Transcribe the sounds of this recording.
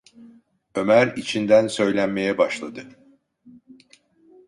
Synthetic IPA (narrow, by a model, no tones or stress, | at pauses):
ø̞mæɾit͡ʃʰind̪ænsø̞jlʲænme̞jɛbaʃlˠad̪ɯ